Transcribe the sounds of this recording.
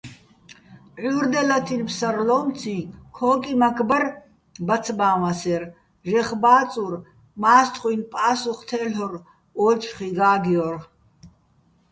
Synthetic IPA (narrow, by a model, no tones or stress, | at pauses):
ʕuɾd̪ɛlat̪ʰinpsarlɔːmt͡sʰĩkʰɔːkʼimakʰʼbər | bat͡sʰbaːmasɛr | ʒɛχbaːt͡sʼur | maːst̪ʰʼχʼwujnpʼaːsuχt̪ʰɛːlɔr | ɔːt͡ʃʰʼχiɡaːɡiɔr